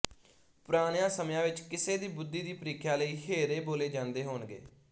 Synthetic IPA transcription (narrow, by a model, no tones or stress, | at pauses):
pɾaːnjãːsəmjãːʋɪt͡ʃkɪseːd̪iːbʊd̪ːiːd̪iːpəɾiːkʰjaːləiːɦeːɾeːboːleːd͡ʒãːnd̪eːɦoːnɡḛː